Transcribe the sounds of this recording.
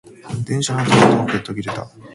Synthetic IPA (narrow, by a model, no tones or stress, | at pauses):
d̪ẽ̞ɰ̃ɕanot̪ot̪omoket̪ːoɡʲiɾe̞t̪a̰